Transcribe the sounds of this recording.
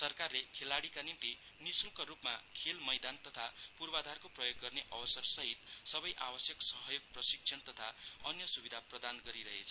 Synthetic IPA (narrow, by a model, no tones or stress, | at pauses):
sʌrkarlekʰelaɽikanimt̪i | nisukaɾupmakʰelmʌjd̪ant̪ʌt̪ʰapurbad̪ʱarkoprʌjoɡːʌrneʔʌbʌsʌrsʌɦit̪sʌbʌjʔa̰bʌsjʌksʌɦʌjoɡ̚prʌsiksʰʌnt̪ʌt̪ʰaʌnjʌsubid̪ʱaprʌd̪anɡʌɾiɾʌɦḛt͡sʰʌ